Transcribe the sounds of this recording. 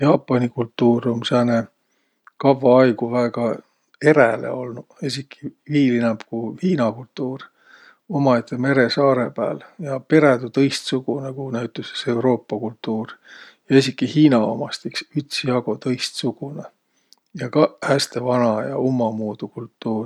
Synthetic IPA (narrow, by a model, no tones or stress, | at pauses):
jɑːpˑːɑnikult̪ːˑuːromseːne | kɑvːɑɑjɡuvæːɡ̥ɑ | e̞ɾælḛo̞lnu | esʲikʰːiviːlinɑmpkuhiːnɑkult̪ːˑuːr | o̞mɑet̪ʰːeme̞ɾe̞sɑːɾe̞pæ̰ːljɑpe̞ɾed̪ut̪ɤ̞jst̪suɡ̥unekunæɥt̪ːˑuse̥se̞wɾo̞ːpːɑkult̪ːuːr | jɑes̬ʲikːˑihiːnɑo̰mɑst̪iksyt̪siɑɡ̥o̞t̪ɤ̞jst̪suɡ̥une | jɑkɑhæst̪e̞vɑnɑjɑ̰omːɑmuːd̪̥ukult̪ːˑuːr